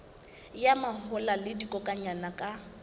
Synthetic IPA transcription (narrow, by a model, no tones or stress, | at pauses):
jamahʊlalɪdikʼɔkʼaɲanakʼa